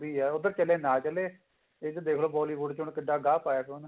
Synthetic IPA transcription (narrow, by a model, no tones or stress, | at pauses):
biːɛːʊd̪əɾt͡ʃəleːnaːt͡ʃəleː | ed͡ʒd̪eːkʰloːbɔːliːʋʊɖt͡ʃʊɳkəɖːaːɡaːpaːjaːkõːn